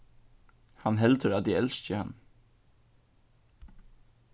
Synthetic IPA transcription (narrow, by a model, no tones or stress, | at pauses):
hɑnɦɛlt̪ʰəɾɑd̪iːɛlscəhɑn